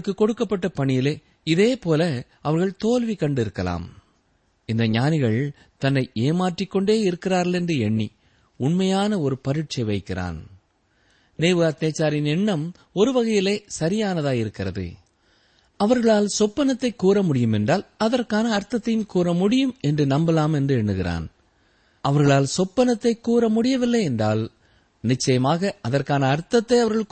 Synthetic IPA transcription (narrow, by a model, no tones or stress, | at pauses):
ɯkːɯkːɔɽɯkːɐpːɐʈːɐpɐɳɪjɪleː | ɪðeːpoːlɐ | ɐʋɐɾɣɐɭt̪oːlʋikːɐɳɖɪɾɯkːɐla̰ːm | ɪnd̪ɐɲaːnɪɣɐɭ | t̪ɐnːɐɪeːmaːʈrɪkːɔɳɖeːɪɾɯkːɪraːɾɣɐɭɛndrɯɛɳːḭ | ʊɳmɐjaːnɐɔɾɯpɐɾɪʈ̚t͡ʃɐɪʋɐɪkːɪrʔa̰ːn | neːʋɯɣaːt̪nɐt͡ʃːaːɾɪnɛɳːɐm | ɔɾɯʋɐɣɐjɪleːsɐɾɪjaːnɐðaːjɪɾɯkːɪrɐðɯ̰ | ɐʋɐɾɣɐɭaːlsɔpːɐnɐt̪ːɐɪkːuːɾɐmʊɽɪjɯmɛndraːlɐðɐrkaːnɐːɾt̪ːɐt̪ːɐjɪnkuːɾɐmʊɽɪjɯmɛndrɯnɐmbɐlaːmɛndrɯɛɳːɯɣɪra̰ːn | ʔɐʋɐɾɣɐɭaːlsɔpːɐnɐt̪ːɐɪkːuːɾɐmʊɽɪjɐʋɪlːɐɪɛndraːl | nɪt͡ʃːɐjɐmaːɣɐʔɐðɐrkaːnɐːɾt̪ːɐt̪ːɐɪɐʋɐɾɣɐɭ